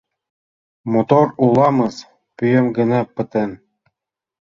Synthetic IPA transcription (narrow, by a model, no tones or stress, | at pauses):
mot̪orulˠɑmɤ̆z | pyjə̆mɡə̆nɑpə̆t̪ĕn